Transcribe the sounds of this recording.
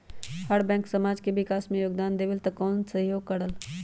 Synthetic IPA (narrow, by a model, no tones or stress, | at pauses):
həɽbɛ̃ːŋksɐmaːd͡ʒkeʋɪkaːsmẽjoːɡd̪aːnd̪eʋɪlt̪ɐkɔːnsɐɦjoːɡ̚kəɽəl